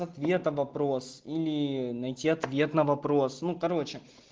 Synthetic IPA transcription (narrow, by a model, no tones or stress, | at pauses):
ɐt̪vʲe̞t̪əvɐpɾo̞silʲɪnɐjtʲiɐt̪vʲe̞t̪nəvɐpɾo̞snukɐɾo̞t͡ɕɪ